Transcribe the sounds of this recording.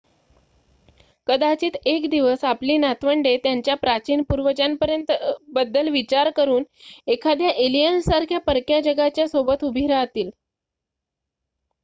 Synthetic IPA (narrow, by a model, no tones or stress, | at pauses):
kəd̪at͡ɕiːt̪ekd̪iʋəsapliːnat̪ʋəɳɖet̪jaɲt͡ɕjapɾat͡ɕiːnpuɾʋəd͡ʑanpəɾjənt̪bəd̪ːəlʋit͡ɕaɾkəɾuːnekʰad̪jaʔelijənssaɾkʰjapəɾkjad͡ʑəɡat͡ɕjasobət̪ubʱiɾaːt̪iːl